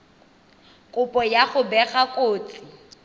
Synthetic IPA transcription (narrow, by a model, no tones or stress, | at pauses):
kʼʊpʼɔjaχʊbɛχakʼoːt͡sʼɪ